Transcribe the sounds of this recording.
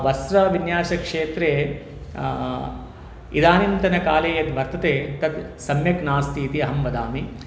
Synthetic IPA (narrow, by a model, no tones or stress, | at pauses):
ʋɐsɾɐʋinjaːʃɐkʂeːt̪ɾeː | id̪aːnimt̪ɐnɐkaːleːjɐt̪ʋɐɾt̪ɐt̪eːt̪ɐd̪sɐmjɐknaːst̪iːt̪iɐɦɐmʋɐd̪aːmi